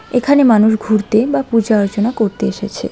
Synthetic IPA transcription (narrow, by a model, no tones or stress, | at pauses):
ekʰanemanuʃɡʱuɾt̪ebapud͡ʑaaɾot͡ɕonakoɾt̪eeʃet͡ɕʰḛ